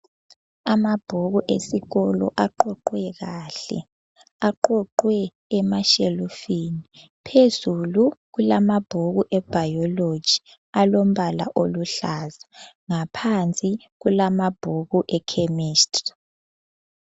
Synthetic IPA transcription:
amab̥ʱoɣuʔesiɣɔlɔ̰ʔaǃɔǃwɛɣaɬɛ̰ | aǃɔǃwɛː | maʃelofini | pʰezuluɣulamab̥ʱoɣuʔɛb̥ʱajɔlo̥d͡ʒ̥ʱi̥ | alom̩βala̰ʔoluɬaza | ŋapʰant͡sʼi | ɣulamab̥ʱoɣuʔɛkʰemiːstʼri

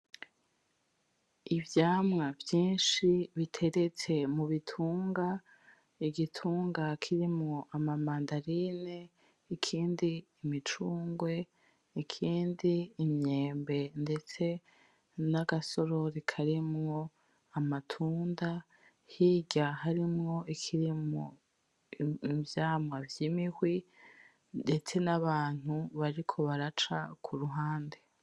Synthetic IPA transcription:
ivjaːmŋavjiːnʃiβitʰe̞ɾe̞t͡se̞muβitʰuːŋɡa | iɡitʰuːŋɡakʰiɾimŋo̞ʔamamaːndaɾine | ikʰiːndiːmit͡ʃuːŋɡwe̞ | ikʰiːndiːmɲe̞ːmbe̞nde̞t͡se̞ | naɡaso̞ɾo̞ɾikʰaɾimŋo̞ | amatʰuːnda | hiːɟaɦaɾimŋo̞ikʰiɾimo | ivjaːmŋavjiːmihwi | de̞t͡se̞naβaːn̥huβaɾikʰo̞βaɾat͡ʃa̰kʰuɾuɦaːnde

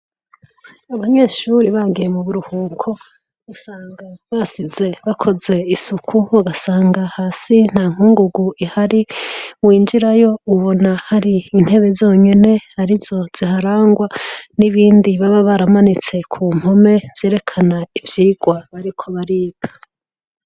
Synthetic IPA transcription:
aβaɲe̞ʃuɾiβaːɡijemuβuɾuhuːkʰo̞ | usaːŋɡaβasize̞βakʰo̞ze̞isukʰuβaɡasaːŋɡahaːsin̥haːŋ̥uːŋɡuɡuihaɾiwiːnd͡ʒiɾajo̞uβo̞nahaɾiːn̥he̞βe̞zo̞ːɲe̞ne̞haɾizo̞z̥ihaɾaːŋɡwaniβiːndiβaβaβaɾamanit͡se̞kʰuːm̥ho̞me̞v̥je̞ːɾe̞kʰanaivjiːɡ̥waβaɾikʰo̞βaɾiːɡḁ

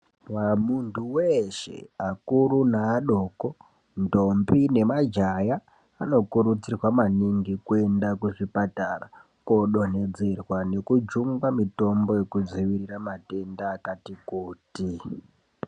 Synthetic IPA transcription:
wamuntʰuweʃḛakuɾunaːɗo̞ko̞ | ndombine̞mad͡ʒajaː | no̞kuɾut͡sirwamaniŋɡikue̞ndakuʐipatara | koɗo̞ne̞d͡ze̞rwane̞kud͡ʒuŋɡamito̞mbo̞je̞kud͡ziʋiriramate̞ndaːkatikuːti

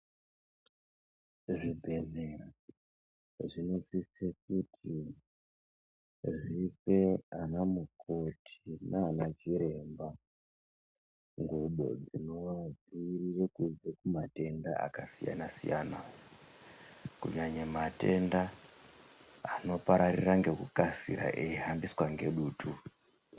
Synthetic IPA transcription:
ʐibʱe̞ne | ʐino̞sisek̚utʰi | ʐife̞anamukʰo̞tʰinaːnat͡ʃiɾe̞mba | ŋɡuɓo̞̰d͡zino̞ʋad͡zirirekud͡zekumate̞nda̰a̰kasija̰nasḭja̰na | kuɲaɲemate̞nda | ano̞paɾariraŋɡe̞kukasḭɾa̰ʔeiɦambiswaŋɡe̞ɗuːtʰu

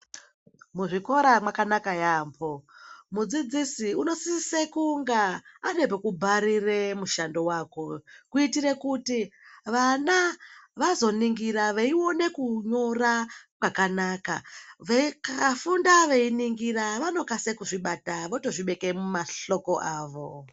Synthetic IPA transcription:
muʐiko̞ɾamwakanakajaːmbo̞mud͡zid͡zisiuno̞sissekuŋɡaːne̞pekubʱaɾire̞muʃando̞waːko̞kuitire̞kutiʋanaʋazo̞niŋɡiɾaʋeiwo̞ne̞kuɲo̞rakwakanaːka̰ʋekakafundaʋeiniŋɡiraʋano̞kasekuʐiɓataʋoto̞ʐiɓe̞kemumaɬo̞ko̞ʔaːʋo̞

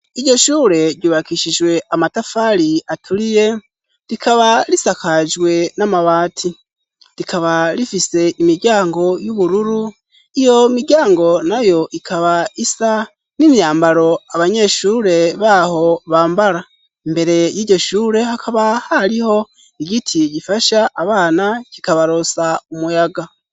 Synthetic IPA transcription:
iɟo̞ʃuːɾe̞ɾɟuβakiʃid͡ʒwe̞amatafaɾiatʰuɾije̞ | ɾikaβaɾisakad͡ʒwe̞namaβaːtʰi | ɾikʰaβaɾifise̞ʔimiɡɟaːŋɡo̞juβuɾuɾu | ijo̞miɟaːŋɡo̞najo̞ʔikʰaβaisa | nimjaːmbaɾo̞aβaɲe̞ʃuɾe̞βaho̞βaːmbaɾa | imbe̞ɾe̞jiːɟo̞ʃuːɾe̞hakʰaβahaɾiho̞ | iɡitʰiɟifaʃaʔːβaːnacikaβaɾo̞saumujaɡa

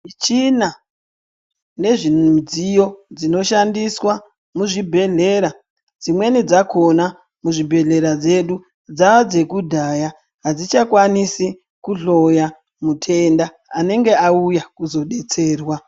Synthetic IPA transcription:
it͡ʃina | ne̞ʐid͡zijo̞d͡zino̞ʃandiswa | muʐibʱe̞ɮe̞ɾa | d͡zimwe̞nid͡zako̞na | muʐibʱe̞ɮe̞ɾad͡ze̞ɗu | d͡zaʋad͡ze̞kudʱaːja | ɦad͡zit͡ʃakwanisi | kuɮo̞ja | mutʰe̞ndaː | ne̞ŋɡe̞aujakuzo̞ɗe̞t͡se̞ːrwa

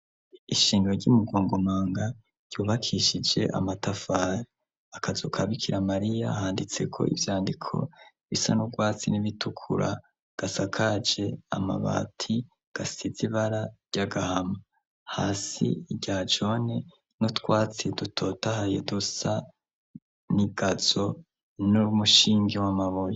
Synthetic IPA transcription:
iʃiːŋɡɾoɾɟumuɡo̞ːŋɡomaːŋɡa | ɾɟ̥uːβakʰiʃid͡ʒe̞̰ʔa̰matafaːɾe | akʰazokʰaβikʰiɾamaɾijahaːndit͡se̞̰kʰo̞̰ʔḭvjaːndikʰo̞̰ | βisa̰nuɡwaːt͡siniβitukʰṵɾa̰ | ɡ̥asakʰad͡ʒe̞a̰ma̰βa̰ːtʰi | ɡ̥asiziβaɾaɾɟ̥aɡahama | haːsḭːɟad͡ʒo̞ne | nutwaːt͡sidutʰo̞ːtahajedusa | niɡ̥azo̞ | nuɾumuʃiːŋɡewamaβoje

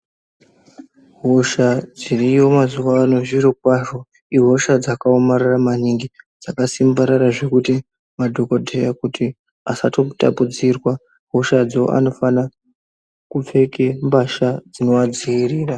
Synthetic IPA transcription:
ɦo̞ʃad͡zirijo̞mazuʋaːno̞ʐiɾokwaʐo̞ | iɦo̞ʃad͡zakaomaɾaramaniŋɡid͡zakasimbaɾaɾaʐe̞kuti | madʱo̞kodʱejakutʰi | asato̞ta̰pud͡zirwa | ɦo̞ʃad͡zio̰ʔa̰no̞fana | kup͡fe̞kembaʃad͡zino̞ad͡ziiriːra

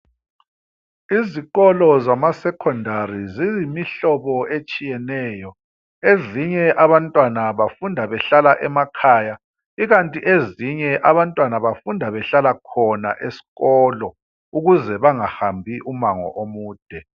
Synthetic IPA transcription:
iziɣɔlɔzamasɛkʰɔndʱarizizimiɬɔβɔet͡ʃʼijɛnɛːjɔ | eziɲɛʔaβantʼwanaβafundʱaβɛɬalaʔɛmakʰaːja | iɣantʼiʔeziɲɛʔaβantʼwanaβafundʱaβɛɬalakʰɔna̰ʔesi̥ɣɔːlɔ | uɣuzɛβaŋahambʱiʔumaŋɔ̰ʔomuːd̥ʱɛ

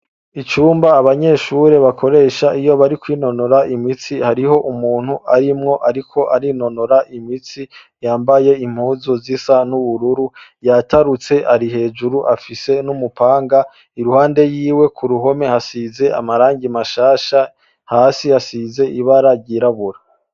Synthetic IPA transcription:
it͡ʃuːmbaːβaɲe̞ːʃuɾe̞βakʰo̞ɾe̞ːʃaʔijo̞βaɾikwino̞no̞ɾaimit͡sihaɾiho̞ʔumuːn̥huʔaɾimŋo̞ʔaɾikʰo̞ʔaɾino̞no̞ɾaʔimit͡si | jaːmbaje̞im̥huːzozisanuβuɾuɾujataɾut͡se̞ʔaɾihe̞ːd͡ʒuɾuʔafise̞numupaːŋɡa | iɾuhaːnde̞jiːwe̞kʰuɾuɦo̞me̞hasize̞a̰maɾaːŋɡimaʃaːʃa | haːsihasize̞ʔiβaɾaɟiɾaβuɾa

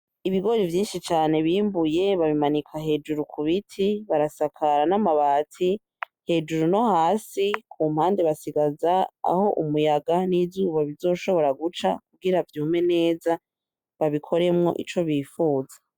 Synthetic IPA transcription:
iβiɡo̞ɾivjiːnʃit͡ʃaːne̞βiːmbuje̞βaβimanikʰaɦe̞d͡ʒuɾukʰuβitʰiβaɾasakʰaɾanamaβaːtʰi | he̞d͡ʒuɾuno̞haːsikʰum̥haːnde̞βasiɡazaa̰ho̞ʔumujaɡanizuːβaβizo̞ːʃo̞βo̞ɾaɡut͡ʃa̰k̚uɡiɾavjuːmwe̞ne̞ːza | βaβikʰo̞ɾe̞mŋo̞̰ʔḭt͡ʃo̞βiːfuːza

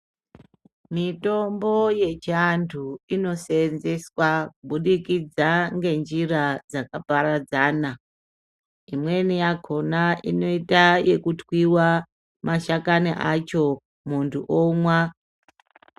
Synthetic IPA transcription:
mito̞mbo̞je̞t͡ʃiantʰuino̞senze̞swakuɓuɗikid͡zaŋɡe̞nd͡ʒirad͡zakapaɾad͡zaːna | imwe̞nijako̞naʔino̞itaje̞kutwiwa | maʃakaniʔat͡ʃo̞ | muntʰuʔomwa

